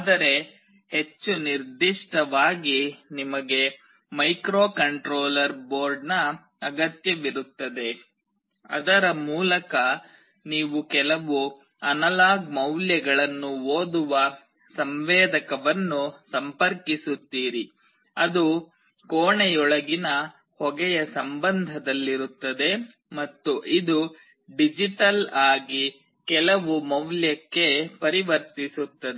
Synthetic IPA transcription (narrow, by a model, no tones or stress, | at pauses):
aːd̪ɐɾe̞ | he̞t͡ʃːuniɾd̪iʂʈɐʋaːɡinimɐɡe̞ | mɐjkɾoːkɐɳʈɾoːlɐɾboːɾɖnɐ | ɐɡɐt̪jɐʋiɾut̪ːɐd̪e̞ | ɐ̰d̪ɐɾɐmuːlɐkɐ | niːʋukɛlɐʋu | ɐnɐlaːɡmɐwljɛɡɐɭɐnːuoːd̪uʋɐ | sɐmʋɛːd̪ɐkɐʋɐnːusɐmpɐɾkisut̪ːiːɾi | ɐd̪u | koːɳɛjɔɭɐɡinɐ | hɔɡɛjɐsɐmbɐnd̪ʱɐd̪ɐlːiɾut̪ːɐd̪e̞ | mɐt̪ːuʔid̪u | ɖid͡ʒiʈɐlaːɡi | kɛlɐʋumɐwljɐkːe̞pɐɾiʋɐɾt̪isut̪ːɐd̪e